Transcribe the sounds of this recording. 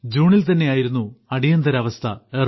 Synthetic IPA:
d͡ʑuːɳilt̪ɐnːe̞jaːjiɾunːuɐɽijɐnd̪ɐɾɐʋɐst̪ʰɐer

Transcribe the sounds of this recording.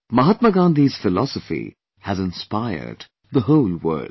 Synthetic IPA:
mʌɦət̪̚məɡãːnd̪iz̥fɪlɔsəfḭ | hæzɪ̃nspaɪə̰˞d | ðəɦoʊlwɜ̰˞ld

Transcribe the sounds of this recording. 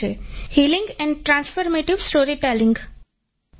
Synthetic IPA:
ehiːlɪ̃ŋɡɛ̃ɳɖʈɾãːnsfɔɾmeːʈɪʋsʈoːɾiʈɛlɪ̃ŋɡ

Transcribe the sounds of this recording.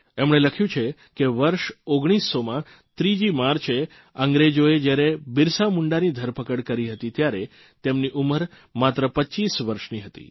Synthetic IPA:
emɳ̃eləkʰjũt͡ʃʰe | keʋəɾʃoɡɽ̃isːomã | t̪ɾid͡ʒimaɾt͡ʃʰe | əŋɡɾed͡ʒoed͡ʒjaɾebɪɾsamuɳɖanid̪ʱəɾpəkəɽkəɾiɦət̪it̪jaɾe | t̪emniʔuməɾ | mat̪ɾəpət͡ʃisʋəɾʃniɦət̪ḭ

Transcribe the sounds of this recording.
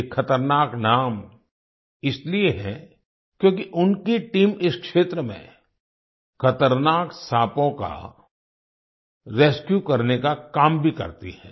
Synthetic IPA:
kʰːɐt̪əɾnaːknaːm | ɪslieɦɛ̃ | kjõːkiʔʊnkiʈiːmɪskʃeːt̪ɾəmḛ̃ | xɐt̪əɾnaːksaːpõka̰ | ɾeːskjukɐɾnekakaːmbʱikɐ̰ɾt̪ḭɦɛ̃ː

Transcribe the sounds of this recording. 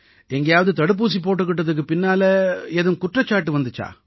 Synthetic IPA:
ɛŋɡɐjaːʋɐðɯt̪ɐɽɯp̬ːuːs̬ipoːʈːɯkːɪʈːɐðɯk̬ːɯpɪnːaːlɐɛðɯmkʊʈrɐt͡ʃːaːʈːɯʋɐnd̪ɯt͡ʃːa̰ː

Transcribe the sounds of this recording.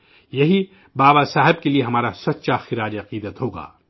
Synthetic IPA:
jɐɦi | baːbasaːɦɪbkelieɦɐmaːɾasɐt̪ːʃaxɪɾaːd͡ʒɐqiːd̪ət̪ɦoːɡa̰ː

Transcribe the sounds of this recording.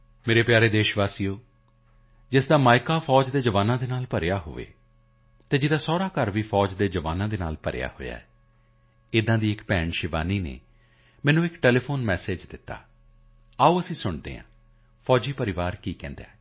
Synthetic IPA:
meːɾeːpjaːɾeːd̪eːʃʋaːsijoː | d͡ʒɪsd̪aːmaːɪkaːpʰɔːd͡ʒd̪eːd͡ʒəʋaːnãːd̪eːnaːlpəɾejaːɦo̰ːʋḛː | t̪eːd͡ʒɪd̪aːsɔːɾaːkəɾʋiːpʰɔːd͡ʒd̪eːd͡ʒəʋaːnãːd̪eːna̰ːlpəɾ̰ja̰ːho̰ːja̰ːɛ | ɪd̪ãːd̪iːɪkpɛːɳʃɪʋa̰ːniːnḛː | mɛːnũːɪkʈɛːleːpʰoːnmɛːseːd͡ʒd̪ɪt̪ːa̰ː | aːuːəsĩːsʊɳd̪ḛːã̰ː | pʰɔːd͡ʒiːpəɾɪʋaːɾkiːkɛ̰̃ːnd̪a̰ː

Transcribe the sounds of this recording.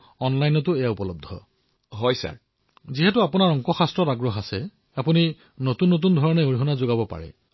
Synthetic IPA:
ɔnlajnɔtʊejaupɔlɔb̚dʱɔ̰ | ɦɔjsa̰ɹ | ziɦɛtʊapunaɹɔŋkɔxastɹɔtaɡɹɔxasɛ | apuni | notunːot̬undʱɔɹɔnɛoɹiɦɔnazoɡabɔpa̰ɹɛ̰

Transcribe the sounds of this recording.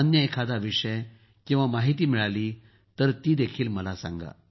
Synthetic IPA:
ənjəekʰad̪aʋiʂəj | kĩw̃ʋamaɦit̪iːmiɭaliː | t̪əɾt̪iːd̪ekʰiːlməlasã̰ŋɡa̰

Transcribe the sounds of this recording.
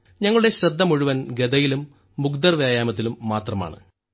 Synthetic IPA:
ɲɐŋːɐɭuɽe̞ɕɾɐd̪ʱːɐmuɻuʋɐnɡed̪ɐjilumː | uɡd̪ɐrʋjaːjaːmɐt̪̬ːilumːaːt̪rɐma̰ːɳɨ̰

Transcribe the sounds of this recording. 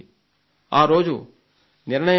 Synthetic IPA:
ãːɾoːd͡ʒo̰ː | nɪɾnəj

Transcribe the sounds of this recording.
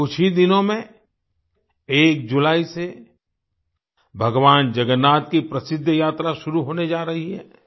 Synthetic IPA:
ʊt͡ʃʰid̪ɪnõmẽ | eːk̚d͡ʒʊlaːise | bʱɐɡʋaːnd͡ʒɐɡənːaːt̪̚kipɾɐsɪd̪ʱːəjaːt̪ɾaʃʊɾuɦoːned͡ʒaːɾɐɦiɦɛ̰ː

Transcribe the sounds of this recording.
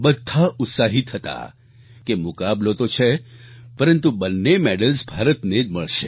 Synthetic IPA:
bəd̪ʱːaʔʊt̪saɦit̪ɦət̪a̰ | kemʊkablot̪ot͡ʃʰepəɾənt̪ubənːemeɽəlsbʱaɾət̪ned͡ʒməɭʃe

